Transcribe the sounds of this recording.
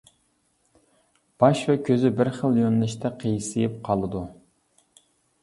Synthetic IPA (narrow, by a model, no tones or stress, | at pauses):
b̥ɑʃvɛkʲʰøzɪbɪɾχəlˠjønlɪʃt̪ʰɛqʰəjsɨjɪp̚qʰɑlˠɨd̪u